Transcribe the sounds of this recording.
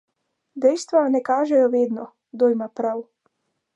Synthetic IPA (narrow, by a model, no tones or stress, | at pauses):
d̪ɛjst̪ʋanɛkaːʒɛjɔʋeːd̪nɔ | d̪ojmapɾaw